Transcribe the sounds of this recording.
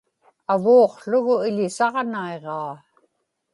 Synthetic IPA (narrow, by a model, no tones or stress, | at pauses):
avoːqɬʊɣʊɪʎɪsɑʁnae̞ʁɑː